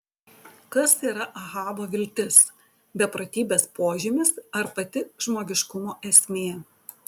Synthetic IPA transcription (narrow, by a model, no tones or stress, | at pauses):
kɐsiːɾɐʔɐɣɑːboːʋʲɪlʲt̪ʲɪs | bʲɛpɾɐt̪ʲiːbʲeːspoːʒʲɪmʲɪsɐɾpɐt̪ʲɪʒmoːɡʲɪʃkʊmoːʔɛsʲmʲeː